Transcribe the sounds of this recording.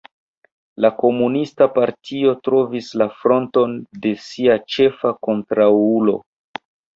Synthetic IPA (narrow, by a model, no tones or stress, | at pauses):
lako̞munistapaɾtʰio̞tɾo̞vislafɾo̞nto̞nde̞siat͡ʃe̞fako̞ntɾaulo̞̰